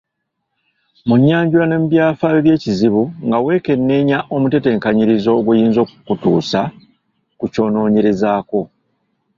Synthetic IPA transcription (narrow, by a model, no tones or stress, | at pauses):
muɲːaːɲɟuɾane̞mubjaːfaβeβje̞ːciziβuŋɡawe̞ːke̞nːe̞ːɲaʔo̞mute̞te̞ːŋkaɲiɾizo̞ːɡujiːnzo̞ːkukutuːsa | kuco̞ːno̞ːɲeɾe̞zaːko̞